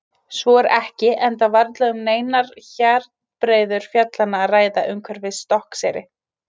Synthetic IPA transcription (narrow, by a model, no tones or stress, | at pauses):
svɔɛɾɛhcɪʔɛnt̪avaɾt̪lœɣʏmneːjnaɾ̥çaɾt̪ | pɾeːjðʏɾ̥fjœt̪lanːaːraːjðaʔʏŋkʰvɛɾvɪðst̪ɔhksɛːɾɪ